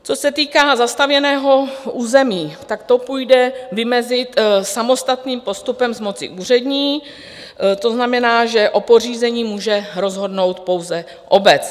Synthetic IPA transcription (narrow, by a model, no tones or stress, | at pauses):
t͡sosɛt̪iːkaːzast̪avjɛnɛːɦo̞ʔuːzɛmiːt̪akt̪o̞puːjdɛvɪmɛzɪt̪samo̞st̪at̪niːmpo̞st̪upɛmzmo̞t͡sɪ̰ʔuːr̝ɛdɲiː | t̪o̞znamɛnaːʒɛʔo̞po̞r̝iːzɛɲiːmuːʒɛɾo̞zɦo̞dno̞wt̪po̞wzɛ | ʔo̞bɛt͡s